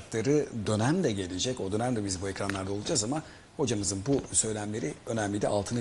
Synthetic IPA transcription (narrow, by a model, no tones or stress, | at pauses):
k̪lˠaɾɯd̪ø̞næmd̪ɛɟe̞lʲed͡ʒɛco̞d̪ø̞næmd̪ɛbizbuɛcɾanlˠaɾd̪alˠud͡ʒaːzama | ho̞d͡ʒamɯzɯnbusø̞jlʲæmlʲe̞ɾiø̞næmlʲid̪ɛ̰ʔalˠt̪ʰɯna